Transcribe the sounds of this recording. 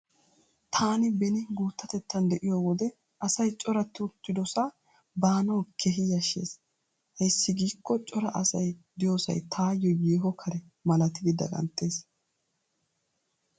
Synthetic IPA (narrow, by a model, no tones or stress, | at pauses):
t̪ʰaːnɪbɛnɪɡuːt̪ːɐt̪ɛt̪ːɐnd̪ɛʔɪjoːwɔd̪ɛ | ʔɐsɐjt͡ʃʼɔɾɐt̪ːɪʊt̪ːɪd̪ɔsa | baːnɐwkʰeɦɪjɐʃːḛːs | hɛjsːɪɡiːkːɔt͡ʃʼɔɾɐʔɐsɐjd̪ɪjo̞ːsɐ̰jt̪ʰaːjɔjeːɦɔkʰɐɾɛ | mɐlɐt̪ɪɡɪd̪ɐ̰ɡʼɐ̰nt̪ʼːe̞ːs